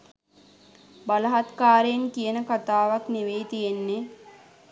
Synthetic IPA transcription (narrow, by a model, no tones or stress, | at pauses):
baləɦat̪kaːɾejenkijənəkat̪aːʋakniʋeːt̪ijenːe